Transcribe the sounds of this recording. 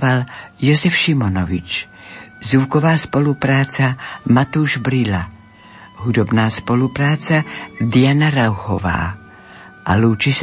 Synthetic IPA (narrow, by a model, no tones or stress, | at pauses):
aljozɛfʃɪmonovɪt͡ʃ | zukovaːspo̞lupɾaːt͡samat̪uːʒbɾɪla | ɦud̪obnaːspo̞lupɾaːt͡sad̪ɪjanaɾawxova̰ː | ʔaluːt͡ʃɪs